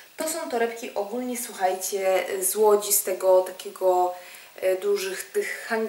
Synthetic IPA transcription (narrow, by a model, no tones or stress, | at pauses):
t̪ɔsɔ̃w̃t̪ɔɾɛpkʲiʔɔɡulɲɛswuxajt͡ɕɛzwɔd͡ʑist̪ɛɡɔt̪akʲɛɡɔ | d̪uʐɘxt̪ɘxːaŋɡ